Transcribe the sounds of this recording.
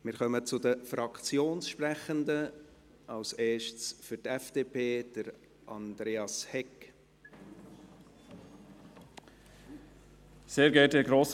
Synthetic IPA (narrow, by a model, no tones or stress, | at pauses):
mɪːɾχœmət͡sʊd̪əfɾɑkt͡sjoːnsʃprɛχənd̪ə | ɑlseːʃtsfyɾtɛfd̥eːpʰeːd̥əɾ | ʔɑ̰nd̪ɾeːɑshɛk | seːɾɡɛːdəɡɾoːs